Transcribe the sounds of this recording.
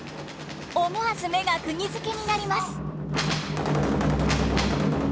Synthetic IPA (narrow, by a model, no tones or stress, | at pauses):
omoasɨme̞ɡakɯ̟ɲʲizɨke̞ɲ̟inaɾʲimasɨ̥